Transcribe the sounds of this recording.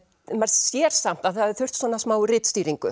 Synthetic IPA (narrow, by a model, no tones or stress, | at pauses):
maɾsjɛɾ̥sam̥t̪aθaðɪθʏr̥t̪svɔːnasmaːwʏrɪt̪st̪iːɾiŋkʏ̰